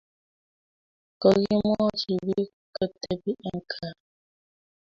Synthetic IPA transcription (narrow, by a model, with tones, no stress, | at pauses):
kə˨ɣi˦mɔ˦t͡ʃi˨bi˦ | kə˦te˦bi˦ʔə˨ŋ˨kʰa˦˨